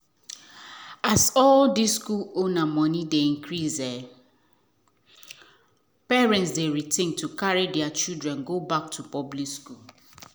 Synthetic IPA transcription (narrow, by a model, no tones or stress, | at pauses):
asɔldisskulonamɔnideĩŋkɹizɛ | pɛɹɛ̃ntsdeɹitẽntʰukaɹedɛat͡ʃildɹɛ̃nɡobak̚tʰupɔblikskul